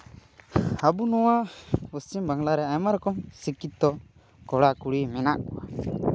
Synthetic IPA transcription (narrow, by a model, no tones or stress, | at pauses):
abunɔwausimbaŋlaɾɛajmaɾɔkɔmsikit̪̚d̪ɔ | kɔɽakuɽimɛnaʔkɔwa